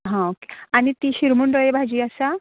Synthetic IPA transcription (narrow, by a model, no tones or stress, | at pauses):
ɦãoke̥aɽ̃it̪iːɕiɾmuɳɾəɦebʱad͡ʑiːasa